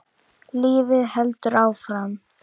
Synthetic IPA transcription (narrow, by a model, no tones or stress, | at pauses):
lɪːvɪðhɛlt̪ʏɾaːwfɾam